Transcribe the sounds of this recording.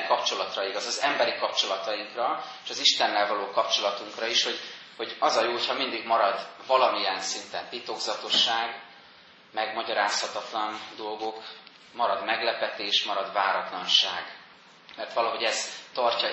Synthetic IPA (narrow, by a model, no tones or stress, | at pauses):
kɒpt͡ʃo̞lɒt̪rɒiɡɒzɒzɛmbɛɾikɒp̚t͡ʃo̞lɒt̪ɒiŋkrɒeʃɒziʃt̪ɛnːɛlvɒloːkɒpt͡ʃo̞lɒt̪uŋkrɒiʃho̞ɟho̞ɟɒzɒjoːho̞chɒmind̪iɡmɒɾɒd̪vɒlɒmijɛnsint̪ɛnt̪it̪o̞ɡzɒt̪o̞ʃːaːɡ | mɛɡmɒɟɒɾaːshɒt̪ɒt̪lɒnd̪o̞lɡo̞k | mɒɾɒd̪mɛɡlɛpɛt̪eːʃmɒɾɒd̪vaːɾɒt̪lɒnʃa̰ːɡ | mɛrt̪ʋɒlɒɦo̞ɟɛzt̪ɒrcɒ